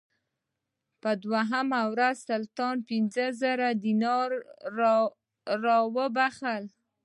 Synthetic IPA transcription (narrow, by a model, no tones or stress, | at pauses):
pəd̪waɦamawɾazsalt̪ɑnpɪnzəzəɾad̪inɑɾ | ɑwəbaxəl